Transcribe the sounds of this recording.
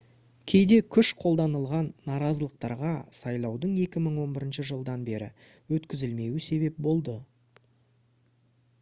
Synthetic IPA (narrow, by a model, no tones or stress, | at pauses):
kʲʰe̞jd̪e̞kʲʰʏʃqʰo̞lˠd̪ɑnəlˠʁɑnːɑɾɑzəlˠəq̚t̪ɑ̰ɾʁɑsɑjlˠɑwd̪əɴe̞kʲɪməɴwo̞nbɪɾɪnʃəʒəlˠd̪ɑnbe̞ɾɪ̰ | wɵt̪kʲɪzɪlme̞wɪse̞βe̞p̚bo̞lˠd̪ə